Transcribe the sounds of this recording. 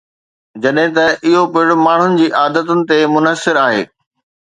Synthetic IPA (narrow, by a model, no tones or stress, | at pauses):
d͡ʑɐɗɦẽt̪ɐʔɪɦopɪɪɽʊmaːɳ̤ʊnɪ̆d͡ʑiːʔaːd̪ət̪ʊnɪ̆t̪emʊnəsɪɾaːɦḛː